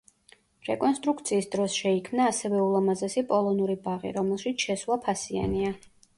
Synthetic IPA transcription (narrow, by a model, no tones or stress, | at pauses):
ɾɛkʼɔnst̪ʼɾukʰt̪sʰiːsd̪ɾɔsʃɛikʰmnaːsɛvɛulˠamazɛsipʼɔlˠɔnuɾibaʁḭɾɔmɛlˠʃit̪sʰʃɛswˠapʰasia̰nia